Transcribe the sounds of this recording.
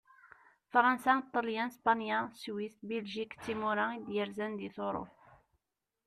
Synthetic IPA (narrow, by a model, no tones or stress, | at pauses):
fɾˤɑnsat̪ˤːəljænspɑnjæswist̪bilʒikt̪ːimuɾaid̪jəɾzænd̪iθoɾˤo̰f